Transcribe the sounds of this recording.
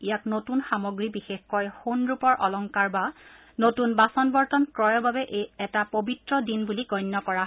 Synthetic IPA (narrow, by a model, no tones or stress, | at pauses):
ijaknotunxamɔɡɹibixexkɔjxonɹupɔɹʔɔlɔŋkaɹba | notunbasɔnbɔɹtɔnkɹɔjɔbabɛʔejɛtapobitɹɔdinbuliɡɔjnːɔkɔɹa